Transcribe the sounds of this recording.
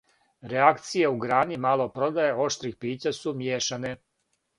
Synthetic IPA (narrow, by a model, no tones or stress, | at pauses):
ɾeakt̪sije̞uɡɾaːnimalˠo̞pɾo̞d̪aje̞o̞ʃt̪ɾixpiːt͡ɕasumjeːʃane̞